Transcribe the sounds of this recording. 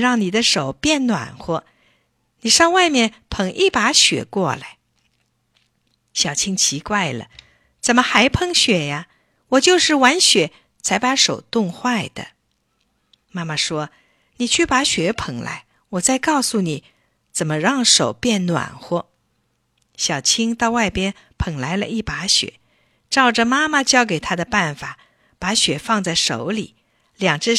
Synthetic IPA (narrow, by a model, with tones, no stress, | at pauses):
ɻɑ˥˩ŋni˨˩d̪ə˦ʂo˨˩ʊpjɛ˥˩nnwa̰˨˩nxwɔ˥ | ni˨˩ʂɑ˥˧ŋwa˥˧ɪmjɛ˥˩npʰɤ˧˥ŋʔi˥˩pa˧˥ɕɥɛ̰˨˩kwɔ˥˩la̰˧˦ɪ | ɕjɑ˨˩ʊt͡ɕʰi˥ŋt͡ɕʰi˧˥kwa˥˩ɪlə̰˩ | t͡sə˨˩nmə˦xa˧˥ɪpʰɤ˥˧ŋɕɥɛ˨˩ja˧ | wɔ˨˩t͡ɕjo˥˧ʊʂɻ̩˥˩wa˧˥nɕɥɛ˨˩˦ | t͡sʰa˧˥ɪpa˧˥ʂo˨˩ʊt̪ʊ˥˧ŋxwa˥˩ɪd̪̥ə̰˩ | ma˥˩ma˨ʂwɔ˥ | ni˨˩t͡ɕʰy˥˩pa˧˥ɕɥɛ˧˥pʰə˨˩ŋla̰˧˥ɪ | wɔ˨˩t͡sa˥˧ɪkɑ˥˩ʊsu˨ni˨˩˦ | t͡sə˨˩nmə˦ɻɑ˥˩ŋʂo˨˩ʊpjɛ˥˩nnwa̰˨˩nxwɔ˥ | ɕjɑ˨˩ʊt͡ɕʰi˥ŋt̪ɑ˥˧ʊwa˥˩ɪpjɛ˥n | pʰɤ˧˩ŋla˧˥ɪlə̰˧i˥˩pa˧˥ɕɥɛ̰˨˩˦ | ʈ͡ʂɑ˥˩ʊʈ͡ʂə˨ma˥ma˨t͡ɕjɑ˥ʊk̬e˨˩ɪt̪ʰa˥d̪ə˨pa˥˩nfa˨˩˦ | pa˧˥ɕɥɛ˨˩fɑ˥˧ŋt͡sa˥˩ɪʂo˨˧˥ʊlḭ˨˩˦ | ljɑ˨˩ŋʈ͡ʂɻ̩˥